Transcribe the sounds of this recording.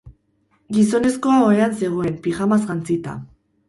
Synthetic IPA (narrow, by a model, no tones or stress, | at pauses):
ɡiso̞ne̞sko̞aoeanse̞ɣ̞o̞e̞mpiɣamazɣant͡sit̪a̰